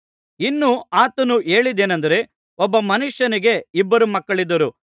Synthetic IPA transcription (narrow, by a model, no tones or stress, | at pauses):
inːuaːt̪ɐnuʔe̞ːɭid̪eːnɐnd̪ɐɾe̞ | ɔbːɐmɐnuʂjɐniɡe̞ibːɐɾumɐkːɐɭid̪ːɐɾu